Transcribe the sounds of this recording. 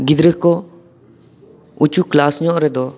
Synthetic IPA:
ɡid̪ɾəkɔ | ut͡ʃuklasɲɔʔɾɛd̪ɔ

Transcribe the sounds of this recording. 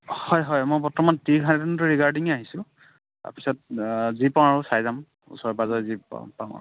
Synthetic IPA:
hɔjɦɔjmɔjpɔtɔmantikʰãnatintʊɹikaɹdiŋaɦisʊ | ta̰pisɔt̚zipãaɹusajzam | ṵsɔɹɛbazɔjzḭpa̰ʊa̰

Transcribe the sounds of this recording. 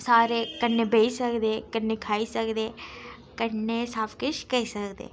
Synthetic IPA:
saːɾekənːebʱeisəkd̪eːkənːekʰaːisəkd̪eː | kənːesaːpʰkɪʃkəisəkd̪ḛː

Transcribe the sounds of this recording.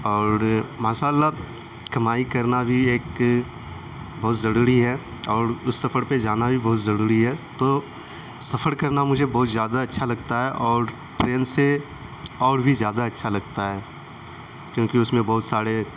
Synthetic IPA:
ɔːɾmaːʃaːlːa | kɐmaːikɐɾnabʱieːk | bɔːt̪zɐɾuːɾiɦɛ | ɔːɾʊsːɐfʰəɾped͡ʒaːnabʱibɔːt̪zɐɾuːɾiɦɛt̪oː | sɐfəɾkɐɾnamʊd͡ʒʱebɔːt̪zjaːd̪aɐtːʃʰalɐɡt̪aɦɛʔɔːɾ | ʈɾeːnse | ɔːɾbʱizjaːd̪aɐtːʃʰalɐɡ̚t̪aɦɛː | kjõːkiʊsmẽbɔːʊt̪saːɾe

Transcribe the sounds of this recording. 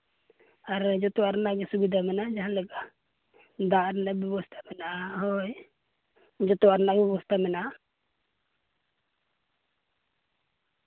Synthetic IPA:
aɾd͡ʒɔt̪uaɾnaɡisubid̪amɛnad͡ʒaɦaləka | d̪aɾnabibɔst̪ʰḁmɛnaoj | d͡ʒɔt̪uaɾnaɡibɔst̪amɛna

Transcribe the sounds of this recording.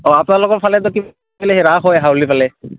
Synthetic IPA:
ɔapnalɔkɔtpʰalɛt̪ɔkib | ilɛɦeɹaxɔjaɦaʊlipʰalɛ

